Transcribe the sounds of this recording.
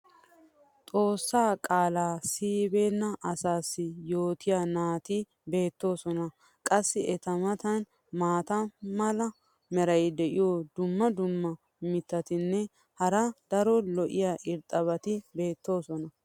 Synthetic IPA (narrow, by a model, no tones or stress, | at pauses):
t̪ʼo̞ːsːaːkʼaːlaːsiːbeːnːɐʔɐsaːsːɪjo̞ːt̪ɪjanaːt̪ɪ | be̞ːt̪ːo̞ːsɔnɐ | kʼɐsːɪɛt̪ɐmɐt̪ɐn | maːt̪ɐmɐlɐ | mɛɾɐjɪd̪ɛʔɪjod̪ʊmːɐd̪ʊmːɐ | mɪt̪ːɐt̪ɪnːɛ | hɐɾɐd̪̥ɐɾɔlɔʔɪjaʔɪɾt̪ʼɐβɐt̪ɪbe̞ːt̪ːo̞ːsɔnɐ